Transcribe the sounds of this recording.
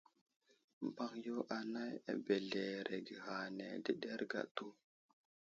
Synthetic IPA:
m˨ba˦ŋjo˦ʔa˨na˦ja̰˨be˨ɮe˨ɾʔe˨ɡi˨ɣa˨ne˨di˦ɗe˦ɾɡa̰˨tu˦

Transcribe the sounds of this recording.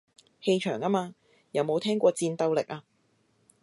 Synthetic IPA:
he˧jt͡ʃʰœː˨˩ŋɐ˥maː˧ | jɐ˨˧wmo˨˧wt̪ʰɛː˥ŋkʷɔː˧t͡siː˧nt̪ɐ˧wlɪ˨k̚aː˧

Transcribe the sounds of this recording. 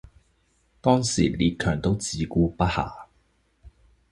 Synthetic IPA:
t̪ɔː˥ŋsiː˨˩liː˧t̚kʰœː˨˩ŋt̪o˥wt͡siː˨˧kuː˧pɐ˥t̚ha̰ː˨˩

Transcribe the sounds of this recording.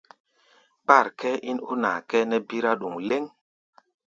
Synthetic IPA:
k͡pa˦˨ɾkʰɛ˦ʔi˦no˦na˨kɛ˦nɛ˦bi˦ɾa˦ɗu˨ŋle˦ŋ

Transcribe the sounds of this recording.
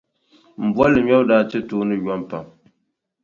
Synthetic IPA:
m̩˨ba˦lːɨ˨ɲɔ˦bdaː˦t͡ʃɛ˦toː˦nɨ˦ja˦mpa˨m

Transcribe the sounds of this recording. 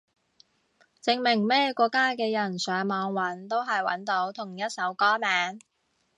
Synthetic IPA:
t͡sɪ˧ŋmɪ˨˩ŋmɛː˥kɔː˧kːaː˥kɛː˧jɐ˨˩nsœː˨˥ŋmɔː˨˧ŋwɐ˨˥nt̪o˥wɦɐ˨jwɐ̰˨˥nt̪o˨˥wt̪ʰʊ˨˩ŋjɐ˥t̚sɐ˨˥wkɔː˥mɛː˨˥n

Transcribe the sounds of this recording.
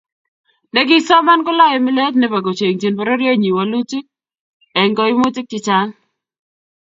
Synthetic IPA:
nɛ˦ɡɪ˦sɔ˦ma˦nkɔ˦la˦jɛ˨mɪ˦lɛ˦t̬nɛ˦pa˨ɡo˨t͡ʃe˨ŋti˨npɔ˦ɾɔ˦ɾjɔ˦ɲi˨wa˨lu˦ti˦k̚ | ɛ˨ŋkɔ˦ɪ˦mʊ˦tɪ˦k̚tɪ˦t͡ʃa˦n

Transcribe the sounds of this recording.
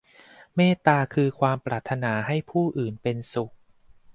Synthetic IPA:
meː˥˩t̪aː˧kʰɯː˧kʰwaː˧mpɾaː˨˩t̪ʰːa˧naː˩˦ɦa˥˩jpʰuː˥˩ʔɯː˨˩npe˧nsu˨˩k̚

